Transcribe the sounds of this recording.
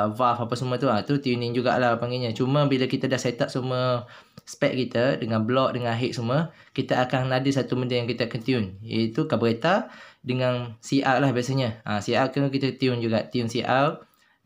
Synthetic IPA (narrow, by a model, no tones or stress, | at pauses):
vafapasəmət̪uat̪ut̪iunɪ̃ŋd͡ʒuɡa̰ʔlahapaŋɡiɲə̃t͡ʃumə̃bilakit̪ədahset̪aʔ̚suməspɛʔ̪̚kit̪ədəŋãnblɔʔ̚dəŋãnɦeʔ̪̚sumə | kit̪əakaŋːadəsat̪uməndəjaŋkit̪əakant̪iʊnjə̰it̪ukabəɾet̪adəŋansiʔalahbiasəɲəʔãsiakənkit̪ət̪iʊnd͡ʒuɡaʔt̪iunsiʔar